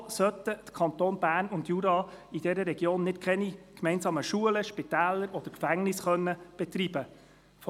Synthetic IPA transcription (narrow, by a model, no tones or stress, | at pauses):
sœt̪ət̪kʰɑnt̪oːnbæːɾnʊndjuɾɑːid̥̪ɛɾəɾɛɡjoːnːɪtkʰɛnikmɛɪnsɑːməʃuələʃpit̪æːlːəɾʔɔd̥̪əɾkfæŋnɪsχœnːəb̥ɛt̪rib̥ə | f